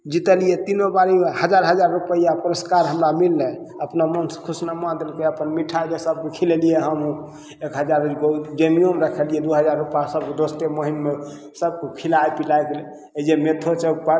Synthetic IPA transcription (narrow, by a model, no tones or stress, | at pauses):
d͡ʒit̪əlijet̪inobaɾihəd͡ʒaɾɦəd͡ʒaɾːupəjapuɾəskaɾɦəmɾamilːẽ | əpnamənsə̥kʰusnamãd̪elkeəpənmiʈʰaid̪esəbːekʰilelijeɦəmɦũ | ekɦəd͡ʒaɾuɡod͡ʒemijomeɾəkʰəlijed̪uɦəd͡ʒaɾːupjasəbkd̪ost̪eməɦinme | səb̚kokʰilajpilajkele | ed͡ʒemet̪ʰot͡ʃək̚pəɾ